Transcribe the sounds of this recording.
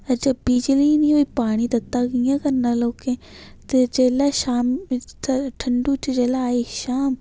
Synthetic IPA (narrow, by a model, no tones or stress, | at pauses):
əd͡ʒɐbiːd͡ʒliːnĩoːipaːɽ̃id̪ɐt̪ːaːkijãːkəɾnaːloːkẽ | t̪ed͡ʒeːlaːʃaːmt̪ʈʰəɳɖuːt͡ʃd͡ʒeːlaːiʃaːm